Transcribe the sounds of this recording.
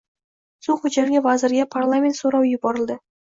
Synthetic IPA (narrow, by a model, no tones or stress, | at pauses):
suχʊd͡ʒaɾɡʲavazɪ̆ɾɡʲapʰarlˠamʲet̪soɾɑwjʊbɒɾəlˠd̪ə